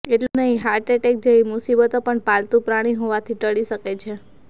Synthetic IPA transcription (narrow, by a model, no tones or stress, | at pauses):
eʈlunəɦĩɦaɾʈeʈek̚d͡ʒəimusibət̪opəɳpalt̪ũpɾaɽ̃iɦoʋat̪ʰiʈəɭiʃəket͡ʃʰe